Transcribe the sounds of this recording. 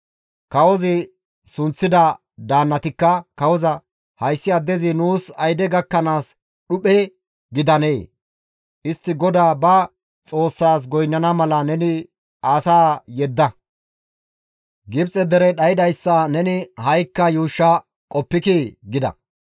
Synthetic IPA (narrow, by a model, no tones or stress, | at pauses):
kɐwɔzɪ | sʊnt͡sːɪd̪ɐ | d̪aːnːɐt̪ɪkːɐkɐwɔzɐ | hɐjsːɪɐd̪ːɛzɪnuːsɐjd̪ɛɡɐkːɐnaːs | ɗʊpɛ | ɡɪd̪ɐneː | ʔɪst̪ːɪɡɔd̪aːbɐ | t͡sʼo̞ːsːaːs̬ɡɔjnːɐnɐmɐlɐnɛnɪ | aːsaːjɛd̪ːɐ | ɡɪbt͡sʼɛd̪ɛɾɛɗɐjɪd̪ɐjsːɐnɛnɪhɐjkːɐjuːʃːɐ | kʼɔpːɪkiɡɪd̪ɐ̰